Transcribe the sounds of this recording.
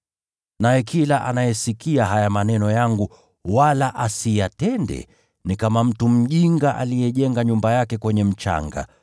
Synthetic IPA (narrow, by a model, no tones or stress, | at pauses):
najɛkʰilaʔa̰najɛsikiaɦajamanɛnɔjaŋɡu | walaʔasijatɛndɛ̰ | nikamam̩tum̩ʄiŋɡaʔa̰lijɛʄɛŋɡaɲumbajakɛkwɛɲɛm̩t͡ʃa̰ŋɡa̰